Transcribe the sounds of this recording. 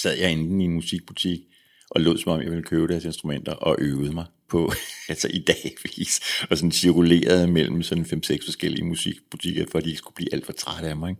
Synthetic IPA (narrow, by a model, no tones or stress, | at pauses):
sæð̞̰ˠjɑ̈ɪend̥n̩ienmusiɡ̥̚b̥ut͡sʰiɡ̥ | ʔɒ̽lo̰ːð̰ˠsɒ̽mɒ̽mjɑ̈ɪʋilkʰøːʊɾ̥æɐse̝nsd̥ʁumen̰d̥ɐʔɒ̽ʔøːʊð̩ˠmɑ̈ɪpʰɒ̽ælsɐʔid̥ɛːʋiːsɒ̽sɒ̽n̩siɐkule̝̰ːɐð̞̩ˠmel̰m̩sɒ̽nfemseɡ̥sfɒ̽sɡ̥el̰iəmusiɡ̥b̥ut͡sʰiɡ̥ɐfɒæd̥ie̝ɡ̥əsɡ̥u̥b̥lḭːæl̰d̥fɒ̽t͡sʰʁad̥æmɑɪe